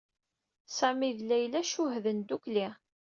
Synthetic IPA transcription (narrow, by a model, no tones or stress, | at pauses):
sæmiðlæjlæʃʊɦðənd̪ukli